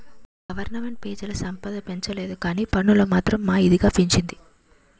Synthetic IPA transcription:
ɡɐʋɐɾnɐme̞ɳʈ̚peːd͡ʒɐlɐsɐmpɐd̪ɐpe̞ɲt͡ʃɐle̞ːd̪ukaːniːpɐɳːulomaːt̪ɾɐmːaːid̪iɡaːpiɲt͡ʃind̪i

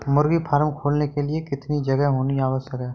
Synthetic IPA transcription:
mʊɾɡipʰaːɾmkʰoːlnekeliekɪt̪nid͡ʒɐɡɛɦɦoːniaːʋəsjəkɦɛː

